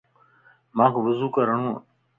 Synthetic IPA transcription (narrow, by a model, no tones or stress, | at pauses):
mãːkʰːʋəzuːkəɾəɳ̃ũː